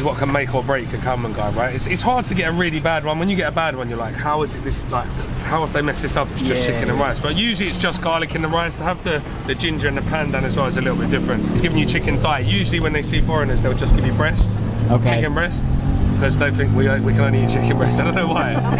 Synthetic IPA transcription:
zwɒt̚kʰə̃nmeɪkʰəbɹeɪkʰəkʰamə̃nɡaɪɹaɪtɪtsɪtshɑɹd̚tʰəɡɛtəɹɪːlibad̚wʌ̃nwə̃njəɡɛtəbad̚wʌ̃njəlaɪkhaʊɪzɪt̪̚ðɪslaɪkhaʊəfðeɪmɛsðɪsʌpɪtsʒ̥ʌst͡ʃʰɪkɨ̃nə̃nɹaɪzb̥ʌʔjʉːʒəliɪtsd̥ʒ̥ʌsɡ̥aɪlɪkɪ̃nəɹaɪz̥tʰəːvðə | ðɨd͡ʒɪ̃nd͡ʒə˞ɪ̃nðəpʰãndãnəzwɛlˠɪtsəlɪtl̩ˠbɪt̚d̥ɪfɹə̃ntɪtsɡ̥ɪvɪ̃ŋjɨt͡ʃʰɪkɨ̃nθaɪʔjʉːʒəliwə̃nðeɪsiːfɔɹənəzðeɪlˠd͡ʒʌsɡ̥ɪvjəbɹɛst | oʊkt͡ʃʰɪkɨ̃nbɹɛstɪkʰʌzðeɪθɪ̃ŋkwiwikʰə̃nə̃ʊnliit͡ʃʰɪkə̃nbɹɛstaɪdə̃oʊ̃noʊwaɪ

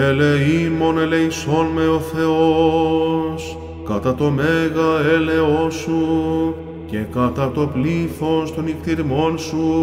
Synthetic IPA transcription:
eleimo̞nele̞iso̞nme̞o̞θe̞o | s | kɐt̪ɐt̪o̞meɣɐele̞o̞su | ce̞kɐt̪ɐt̪o̞pliθo̞st̪o̞nikt̪iɾmo̞nsu

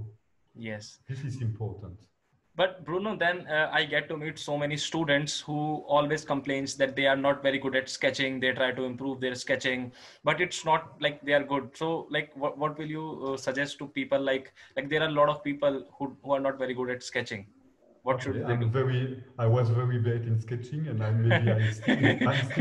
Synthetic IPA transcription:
jɛsd̪ɪsɪzɪ̃mpʰɔɹtə̃nt | bʌʈ̚bɾuːnod̪ɛ̃naɪɡɛʈːumiːʈsoːmɛnisʈuːɖə̃ɳʈshuːɔːlʋeːzkə̃mplẽːnsd̪ɛʈ̚d̪eːaɾnɔːʈʋɛɾiɡʊɖɛʈskɛt͡ʃɪ̃ŋd̪eːʈɾaɪʈuɪ̃mpɾuːʋd̪eːɾskɛt͡ʃɪ̃ŋ | bʌʈɪʈsnɔːʈ̚laɪk̚d̪eːaːɾɡʊɖ̚soːlaɪkʋɔʋɔʈʋɪljuːsəd͡ʒɛsʈʈupiːpəlːaɪklaɪk̚d̪eːɾaːɾlɔːʈɔʋpiːpəlhuhuːaːɾnɔːʈʋɛɾiɡʊɖɛʈskɛt͡ʃɪ̃ŋ | ʋɔːʈʃʊẽmvɛɾiaɪʋɔzʋɛɹibet̪ɪ̃nskɛt͡ʃɪ̃ŋɛ̃nãɪ̃mːeiãɪs

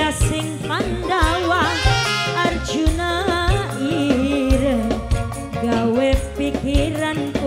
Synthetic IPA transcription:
asɪŋpandawa | ard͡ʒuna | iɾə | ɡawɛpikiɾanku

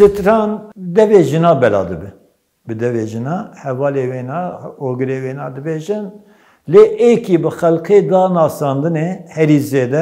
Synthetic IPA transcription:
sɨt̪ɾɑːnd̪ɛveːʒɨnɑːbɛlɑ̰ːd̪ɨbɨ | bɨd̪ɛveːʒɨnɑːhɛvɑːleːweːnɑːoːɡɨɾeːweːnɑːd̪ɨbeːʒɪn | leːʔekibɨxɛlqʰeːd̪ɑːnɑːsɑːnd̪ɨnehɛɾiːzeːd̪ɛ

